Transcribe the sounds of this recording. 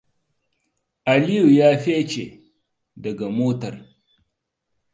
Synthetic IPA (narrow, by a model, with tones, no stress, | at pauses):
a˨li˦ju˨jaː˦ɸe˦t͡ʃe˨ | dɐ˨ɡa˨moː˦tɐ˨ɾ